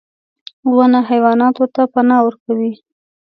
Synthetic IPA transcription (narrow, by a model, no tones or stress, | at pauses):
wanaɦajwɑnɑt̪ot̪apanɑwəɾkawi